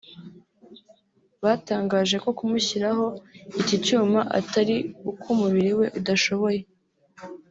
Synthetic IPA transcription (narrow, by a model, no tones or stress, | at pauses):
βaːtaːŋɡaːʒe̞ko̞kumuçiɾaɦo̞icicuːmaʔa̰taɾiukʰumuβiɾiwe̞ʔudaʃo̞βo̞je̞